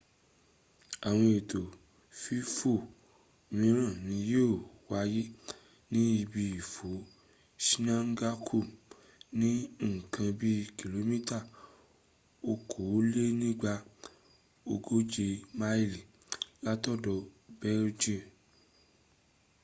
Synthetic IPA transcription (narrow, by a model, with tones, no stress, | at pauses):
a˨w̃ɔ̃˧i˨to˨ | fi˦fo˦˨ | mĩ˨˧˦ɾ̃ã˦˨nĩ˨˦je˦o˦˨wa˧ji˦ | nĩ˦i˧bi˧i˨fo˨˦ | ʃi˦nã˦ŋ̩˦ɡa˦kʰu˦˨ | nĩ˦˨kʰã˧bi˦ki˨lo˨˦mĩ˦ta˦˨ | o˧kʰo˨˦le˦nĩ˦ɡ͡ba˧ | o˧ɡo˦d͡ʒe˧ma˦i˦˨li˨ | la˦tɔ˦dɔ˧bɛ˦ɾd͡ʒĩ˦˨m